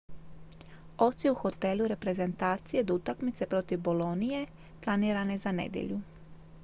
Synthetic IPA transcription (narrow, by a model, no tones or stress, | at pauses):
o̞t̪siuxo̞t̪e̞lˠuɾe̞pɾe̞ze̞nt̪aːt̪sije̞d̪ut̪akmit̪se̞pɾo̞t̪iʋbolo̞nije̞ | plˠaniːɾanezanḛd̪jḛʎu